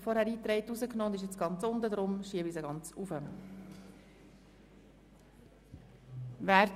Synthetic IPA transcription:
fɔɾhæːɾiːt̪ɾɛɪtːuzəknoːʊnd̪ɪʃjɛt͡sɡ̥ɑnt͡sʊnd̪əd̪ɾʊmʃiəbisəɡɑnt͡sufə | væːɾ

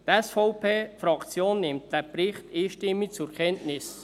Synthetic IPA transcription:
tɛsfɔʊpʰeːfɾɑkt͡sjoːnːɪmtd̥ɛɾpɾɪχtiːʃtɪmːik̚t͡sʊɾkʰɛntnɪs

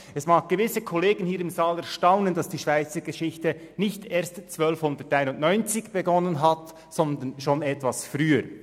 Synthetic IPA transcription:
ɛsmaːk̚ɡ̥əvɪsəkʰoleːɡən̩hiːɾɪmzaːlɛɐʃtaʊnəndɑsd̥iːʃv̥aɪt͡səɡeʃɪçtə | nɪçteːɐstt͡svœlfhʊndətːaɪnʊntnɔʏnt͡sɪçb̥eɡɔnənɦat | sɔnd̪ənʃonɛtvasfʁyːəɾ

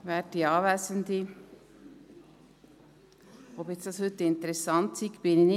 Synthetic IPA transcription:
ʋæːʈ̚diɑːʋæːsənd̪i | objɛt̪sd̪ɑshʉt̪ːɪnt̪əɾɛsɑnt̪sikb̥ɪnɪn

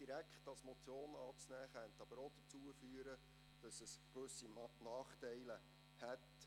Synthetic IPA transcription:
diɾækχtɑlsmot͡sjoːnɑːt͡snæːχɛnt̪ɑb̥əɾod̥̪ət͡suəfyːəɾə | d̥ɑsəskʋɵsinɑːχtɛɪlə | hɛt

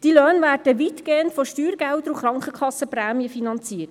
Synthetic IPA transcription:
d̥iløːnʋæːɾd̥əʋitɡ̥eːəntfɔʃtyːɾɡ̥æld̪ɾuχɾɑŋkχəkʰɑsːəpræːmiəfinɑnt͡siːət

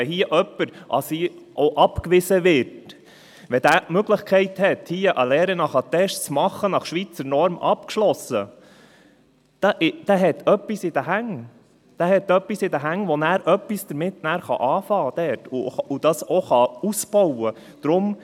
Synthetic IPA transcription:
hiəʔœpːəɾʔɑ̰siʔɔʔɑpkʋɪsəʋɪːɾt | ʋɛd̪æːmøɡləχkʰɛɪthɛt̪hiːəʔəlɛːɾənɑχɑt̪ɛʃt͡smɑχːənɑχʃʋit͡səɾnɔɾmɑpkʃlɔsə | d̥ɑʔɪd̥æɦɛt̪ʰœpːisɪd̥̪əɦæŋ | d̪̥æɦɛt̪œpːisɪd̪əɦæŋʋɔnæːɾœpːisd̥əɾmɪtnæːɾχɑ̰ʔɑːfɑːd̪̥ɛɾtʊʊd̥̪ɑsoχɑusbɔwə | d̪̥ɾʊm

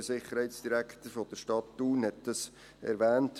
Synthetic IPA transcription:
sɪχːəɾhɛɪtsd̥iɾækχt̪əɾfod̥əɾʃtɑtduːnhɛt̚d̥ɑs | ɛ̰ɾʋæːnt

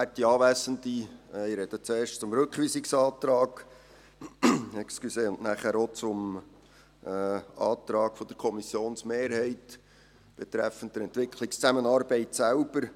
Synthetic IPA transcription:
ætiɑːʋæsənd̪iiɾɛd̥̪ət͡seːɾʃtt͡sʊmɾɵkχʋiːsiksɑːtɾɑːɡ̥ | ɛksklyseːʊnnæːχæːɾot͡sʊm | ɑ̰ːt̪ɾɑːɡ̥fɔd̥̪əɾkʰɔmisjoːnsmeːɾɦɛɪt | b̥et̪ɾɛfən̩td̥əɾɛntʋɪkʰlɪkst͡sæmənɑːɾbɛɪtsælb̥əɾ

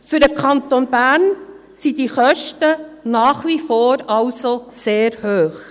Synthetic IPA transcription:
fʏɾdəkʰɑnt̪onbæːɾn | sid̥iχœʃtənɑːχʋifoːɾɑwsoseːɾhøːχ

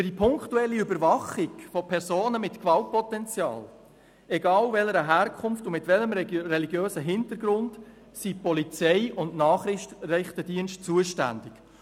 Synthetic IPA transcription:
fəd̥ipʰʊŋktuɛlːiʏbəɾvɑχɪɡfɔpʰɛɾsoːnəmɪtkʋɑlt̚pɔtɛnt͡sjɑ̰ːl | ɛɡɑːlvɛləɾəɦæːɾkʰχʊmftʊmɪtʋɛləmɾɛliɡjøːsəɦɪntəɾɡɾʊnt | sipɔlit͡sɛɪʊndnɑːχɾɪχtrɛχt̪ədiənʃt̚t͡suəʃtæ̰nd̥ɪk

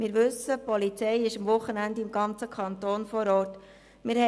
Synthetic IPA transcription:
mɪːɾʋɵsəpɔlit͡sɛɪɪʃɑmʋʊχːənænd̪ɪmɡɑnt͡səkʰɑnt̪oːnfɔɾɔːɾt | mɪɾhɛ

